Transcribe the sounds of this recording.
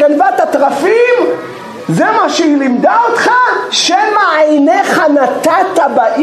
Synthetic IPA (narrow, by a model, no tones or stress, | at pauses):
elvat̪at̪ʁafim | zemaʃɛilimd̪aot̪χaʃemaajneχanat̪at̪abaʔ